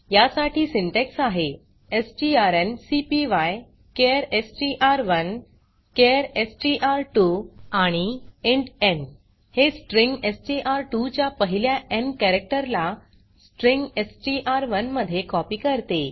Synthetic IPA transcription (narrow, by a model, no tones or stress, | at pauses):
jasaʈʰiːsiɳʈeksaɦe | esʈiaɾensipiʋaj | keɾesʈiʔaɾʋən | keɾesʈiʔaɾʈuaɽ̃ieɳɖen | hesʈɾĩŋɡesʈiʔaɾʈut͡ɕjapəɦiljaʔenkɛɾek̚ʈəɾla | sʈɾiŋɡesʈiʔaɾʋənməd̪ʱːjekɔpiːkəɾt̪e